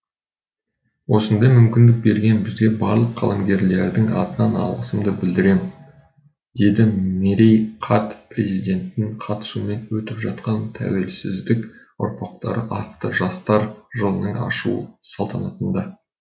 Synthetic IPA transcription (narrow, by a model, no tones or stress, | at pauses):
wo̞sənd̪ɑjmʏmkʲɪnd̪ɪk̚be̞ɾɡʲe̞nbɪzɡʲe̞bɑɾlˠəqʰːɑ̰lˠɑmɡʲe̞ɾle̞ɾd̪ɪŋɑ̰t̪ənɑnɑ̰lˠʁəsəmd̪əbɪld̪ɪɾe̞m | d̪̥e̞d̪ɪmeɾijqʰɑt̪pre̞zijd̪e̞nt̪ːɪŋqʰɑt̪ə̥sume̞nwɵt̪ɪpʒɑt̪̚qɑnt̪ʰæ̰we̞lsɪ̰zd̪ɪk | ʊ̰ɾpɑqt̪ɑɾəʔɑt̪ːəʒɑst̪ɑɾʒəlˠənəɴɑ̰ʃṵsɑlˠt̪ɑnɑt̪ənd̪ɑ